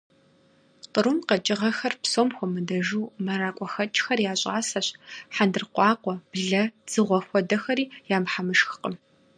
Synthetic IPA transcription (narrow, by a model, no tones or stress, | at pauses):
qəɾumqɐt͡ʃʼɪʁɐxɐrpsoːmxʷɔmɨdɐʒuːmɐɾaːkʷʼɔxɐt͡ʃʼxɐrjaːɕʼaːsɐɕħandɨrqʷɑːqʷɔb̥ɮɐz̥ɨʁʷɔxʷɔdɐxɐɾiːjaːmħamɨʃxɨ̥qəm